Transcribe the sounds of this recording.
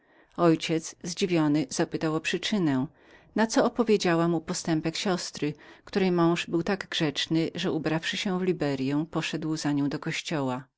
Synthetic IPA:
ɔjt͡ɕɛt̪zzd͡ʑivʲjɔnɘz̥apɘt̪awɔpʂɘt͡ʂɘnɛ̃ | nat̪sɔːpɔvʲjed͡ʑawamupɔst̪ɛmpɛkɕɔst̪ɾɘkt̪uɾɛjmɔ̃w̃ʐbɘwt̪aɡɡʐɛt͡ʂnɘʐɛubɾafʂɘɕɛ̃vlʲibɛɾjɛ̃pɔʂɛd̪wzaɲɔ̃w̃d̪ɔkɔɕt͡ɕɔwa

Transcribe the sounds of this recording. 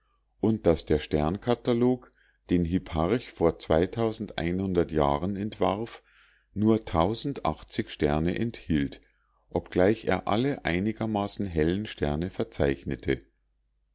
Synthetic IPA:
ʔʊnt̚d̥asd̥eːɐʃtɛɐnkʰataloːk | d̥eːnɦypʰaʁçfoːɐt͡sv̥aɪtʰaʊzn̩dʔa̰ɪnhʊndɐtja̰ːʁənɛntv̥a̰ɐf | nuːɐtʰaʊzn̩tʔa̰χt͡sɪçʃtɛɐnəʔɛnthiːlt | ʔɔpɡ̥laɪçḛːɐʔa̰ləʔa̰ɪnɪɡɐmaːsn̩ɦɛlənʃtʰɛɐnəfɛɐt͡saɪçnətʰə

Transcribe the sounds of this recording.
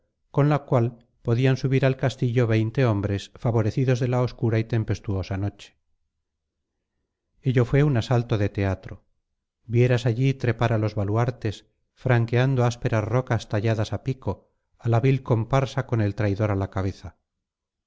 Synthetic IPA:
ko̞nlakwal | po̞ðiansuβiɾalkast̪iʎo̞βe̞jnt̪e̞o̞mbɾe̞sfaβo̞ɾe̞θiðo̞zðe̞laoskuɾait̪e̞mpe̞st̪uo̞sano̞t͡ʃe̥ | e̞ʎo̞fwe̞unasalt̪o̞ðe̞t̪e̞at̪ɾo̞ | βje̞ɾasaʎit̪ɾe̞paɾalo̞zβalwaɾt̪e̞s | fɾaŋke̞and̪oaspe̞ɾazro̞kast̪aʎaðasapiko̞ | alaβilko̞mpaɾsako̞ne̞lt̪ɾajðo̞ɾalakaβ̞e̞θa

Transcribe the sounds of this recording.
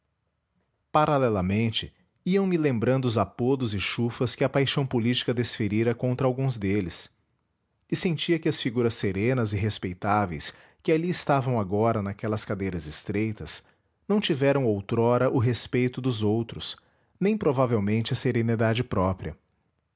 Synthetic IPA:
paɾalɛlɐmẽnt͡ʃɪ | iɐ̃w̃mɪlẽmbɾɐ̃nd̪ʊzapod̪ʊzɪʃufɐskɪɐpajʃɐ̃w̃polit͡ʃi̥kɐd̪esfeɾiɾɐkõnt̪ɾɐawɡũzd̪elɪs | ɪsẽnt͡ʃiɐkɪɐsfiɡuɾɐsːeɾẽnɐzɪɦespejt̪avejs | kɪaliɪst̪avɐ̃w̃aɡɔɾɐnakɛlɐskad̪ejɾɐzɪst̪ɾejt̪ɐs | nɐ̃w̃t͡ʃivɛɾɐ̃w̃owt̪ɾɔɾɐʔʊɦespejt̪ʊd̪ʊzowt̪ɾʊs | nẽj̃pɾovavewmẽnt͡ʃɪɐseɾenid̪ad͡ʒɪpɾɔpɾiɐ

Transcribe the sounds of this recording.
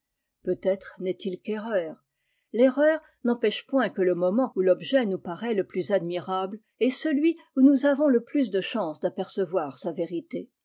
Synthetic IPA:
pøt̪ɛt̪χnɛt̪ilkeʁœːʁ | leʁœːʁ | nɑ̃pɛʃpwɛ̃kələmɔmɑ̃ulɔbʒɛnupaʁɛləplyzad̪miʁabl | ɛsəlɥi | unuzavɔ̃ləplys̬d̪əʃɑ̃sd̪apɛʁsəvwaʁsaveʁit̪e

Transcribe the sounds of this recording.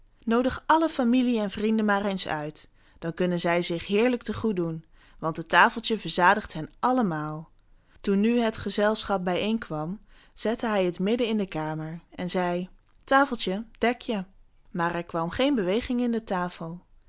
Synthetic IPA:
nowdəχʔɑləfamiliɛnvrindənmaːrensœ̰ɥt | d̥ɑnkɵnənzɛjzɪχɦɪːɹlək̚təχudun | ʋɑntɦətaːfəlˠtjəvəɹzaːdəχtɦɛnʔɑləmaːlˠ | tunːyɦətχəzɛlˠsχɑp̚bɛjejnkʋɑm | z̥ɛtəɦɛjətmɪdəɪndəkaːməɹɛnzɛj | taːfəlˠtjəd̥ɛkjə | maːɹɛɹkʋɑmχejnbəʋejχɪŋɪndətaːfəlˠ

